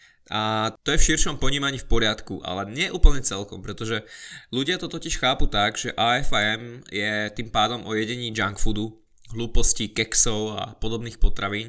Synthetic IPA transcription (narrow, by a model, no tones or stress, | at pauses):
at̪ɔjɛfʃirʃɔmpɔɲiːmaɲiːfpɔɾɪat̪kṵʔa̰lɛɲɪɛʔuːpl̩ɲɛt͡sɛlkɔmpɾɛt̪ɔʒɛluɟɪat̪ɔt̪ɔciʃxaːput̪aɡʒɛʔaːɛfaɛmjɛt̪iːmpaːd̪ɔmʔɔjɛɟɛɲiːd͡ʒaŋkfud̪u | ɦluːpɔscikɛksɔʊa̰pɔd̪ɔbniːxpɔt̪ɾaʋiːn